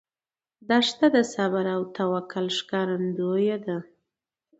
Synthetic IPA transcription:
d̪ɑʂt̪ad̪əsabaɾawt̪awɑkalʃkɑɾand̪ojed̪a

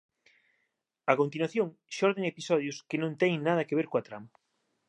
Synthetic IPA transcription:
ɐkont̪inwaθjõŋʃɔɾðeŋepisɔðjʊskenõnt̪ɛŋnað̞ɐkeβ̞eɾkoɐt̪ɾam

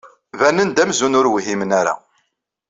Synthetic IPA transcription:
vænənd̪æmzunʊɾwɦimənæɾa̰

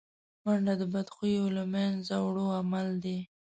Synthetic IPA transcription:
waɳɖad̪əbad̪xujolamanzawɽoamald̪e

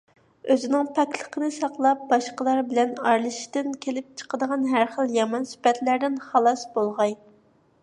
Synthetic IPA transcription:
øzɪnɪŋpʰɛkʲlˠəqʰənɨsɑqlˠɑp̚bɑʃqəlˠɑɾbɪlɛnɑɾlˠɨʃʃt̪ɪnkʲʰelɪp̚t͡ʃʰə̥qəd̪əʁɑnɦæɾχəlˠjɑmɑnsy̥pɛt̪læɾd̪ɪnχɑlˠɑsbolˠʁɑj

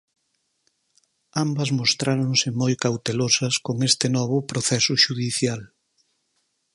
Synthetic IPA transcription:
ambɐzmost̪ɾaɾoŋsɪmojkawt̪elosɐskoŋest̪ɪnɔβ̞ʊpɾoθɛsʊʃuðiθjal

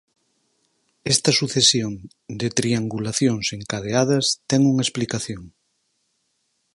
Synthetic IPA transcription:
ɛst̪ɐsuθesjoŋ | d̪et̪ɾiaŋɡulaθjoŋseŋkað̞eað̞ɐst̪ɛŋuŋaesplikaθjoŋ

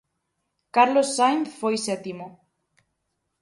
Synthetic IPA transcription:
kaɾlosːajmfojset̪imo

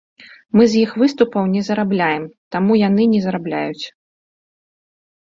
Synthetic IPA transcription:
mɨzʲjixvɨst̪upɐwnʲɛzɐɾablʲajɛmt̪amujanɨnʲɛzɾablʲa̰jut͡sʲ

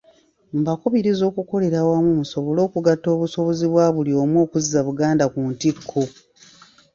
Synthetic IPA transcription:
mbakuβiɾizo̞ːkuko̞le̞ɾawamumuso̞βo̞lo̞ːkuɡatːo̞ːβuso̞βoziβwaβuljo̞ːmwo̞ːkuzizaβuɡaːndakuntikʰːo

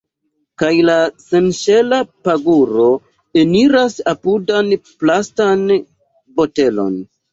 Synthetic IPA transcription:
kajlase̞nʃe̞lapaɡuɾo̞ | eniɾasapudanplastan | bo̞te̞lo̞̰n

